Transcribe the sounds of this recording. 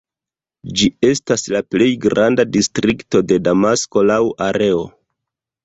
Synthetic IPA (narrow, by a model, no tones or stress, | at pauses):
d͡ʒie̞staslaple̞jɡɾandadistɾikto̞de̞damasko̞lawaɾe̞o̞